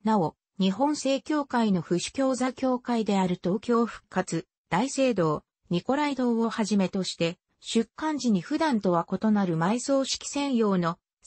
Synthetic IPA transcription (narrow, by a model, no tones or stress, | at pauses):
nao̞ | ɲ̟iɦõ̞se̞ːkʲo̞ːkaino̞ɸɯ̟ɕi̥kʲo̞ːzakʲo̞ːkaid̪e̞aɾɯ̟t̪o̞ːkʲo̞ːɸɯ̟̥kːat͡sɨ | d̪̥aise̞ːd̪o̞ː | ɲ̟iko̞ɾaid̪o̞ːo̞haʑime̞t̪o̞ɕi̥t̪e̞ | ɕɨkːãɲ̟d͡ʑiɲ̟iɸɯ̟d̪ãnt̪o̞βako̞t̪o̞naɾɯ̟maiso̞ːɕi̥kʲi̥sẽ̞ɰ̃jo̞ːno̞